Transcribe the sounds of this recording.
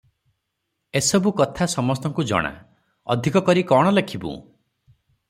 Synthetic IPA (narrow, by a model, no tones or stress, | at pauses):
esɔbukɔt̪ʰasɔmɔst̪ɔŋkud͡ʒɔ̰ɽ̃a̰ | ɔ̰d̪ʱikɔkɔɾikɔɽ̃ɔlekʰibṵ̃